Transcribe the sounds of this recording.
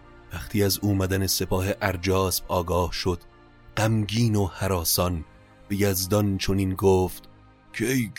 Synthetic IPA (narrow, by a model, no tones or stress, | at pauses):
væχt̪ʰiːæzuːmæd̪ænese̞pʰɒːhe̞ʔæɾd͡ʒɒːsbɒːɡɒːhʃod̪̥ | ɢ̥æmɟiːnohæɾɒːsɒn | b̥e̞jæzd̪ɒnt͡ʃʰoniːnɡoːft̪ | cʰej